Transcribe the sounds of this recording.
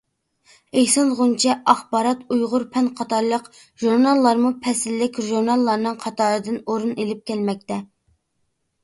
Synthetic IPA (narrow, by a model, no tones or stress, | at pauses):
ehsɑnʁʊnt͡ʃʰɛʔɑχbɑːɾɑt̪ujʁʊɾpʰɛnqʰɑt̪ʰɑɾlˠəq | ʒuɾnɑlˠːɑɾmupʰɛsɪlːɪkʲʒuɾnɑlˠːɑɾnɨŋqʰɑt̪ʰɑːɾɨd̪ɨnoɾunelɪp̚kʲʰɛlmɛk̚ʲt̪ɛ